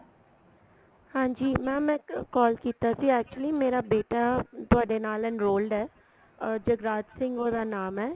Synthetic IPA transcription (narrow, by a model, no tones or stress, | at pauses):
hãːɲd͡ʒiːmɛ̃ːmɛ̃ːkɔːlkiːt̪asiːɛːk̚t͡ʃʊəliːmeːɾaːbeːʈaːt̪ʊaːɖeːnaːlɪ̃nɾoːlɖɛː | d͡ʒəɡɾaːd͡ʒ̪sɪ̃ŋɡoːd̪aːnaːmɦɛː